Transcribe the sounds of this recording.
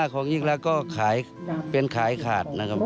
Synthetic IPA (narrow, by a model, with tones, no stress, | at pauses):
kʰɔː˨˦ŋɲi˧˥˩ŋ̚lɛː˧kɔː˧˩kʰaː˩˦j | pe˧nkʰaː˨˩˦jkʰaː˨˩t̪̚na˧˥kʰa˧˥p̚